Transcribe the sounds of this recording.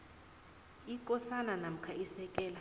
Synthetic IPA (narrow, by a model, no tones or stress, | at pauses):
ikʼɔsananam̩kʰaisɛkʼɛːla